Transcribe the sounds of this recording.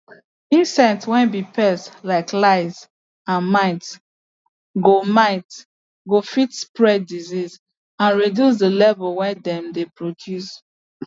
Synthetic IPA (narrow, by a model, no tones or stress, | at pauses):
ĩnsɛ̃ntwɛ̃nbipʰɛslaɪklaɪz | ãnmaɪt | ɡomaɪt | ɡofitspɹɛdiziz | ãnɹidjus̬dəlɛvɔlwɛ̃ndɛ̃mdepɹodjus